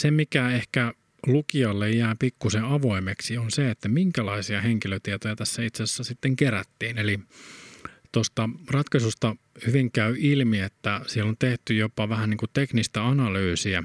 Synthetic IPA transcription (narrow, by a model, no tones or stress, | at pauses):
semikæehkæ | lukiɑlːejːæːpikːusẽɑʋoimeksionseet̪ːæmiŋkælɑisiɑheŋkiløt̪iet̪ojɑt̪æsːæit̪sæsːæsit̪ːeŋkeræt̪ːiːneli | t̪ost̪ɑrɑt̪kɑsust̪ɑ | hyʋiŋkæyilmiet̪ːæsielːont̪eht̪yjopɑʋæhæniːŋkut̪eknist̪æɑnɑlyːsiæ